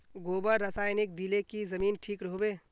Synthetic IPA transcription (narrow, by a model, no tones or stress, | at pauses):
ɡoːbəɾɐsaːjnɪk̚d̪ilekizɐmiːnʈʰiːkɾoːbeː